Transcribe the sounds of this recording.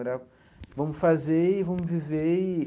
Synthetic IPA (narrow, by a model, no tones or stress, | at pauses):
ɾaku | vomufazeivomuvivei